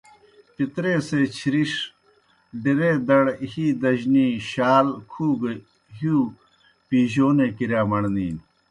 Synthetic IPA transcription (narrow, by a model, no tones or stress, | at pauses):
pit̪ɾeːseːt͡ɕʰiɾiʂ | ɖiɾeːd̪ɐɽhiːd̪ɐʑniːɕaːlkʰuːɡ | ɦuː | piːʑoːneːkiɾjaːmɐɳnḭːn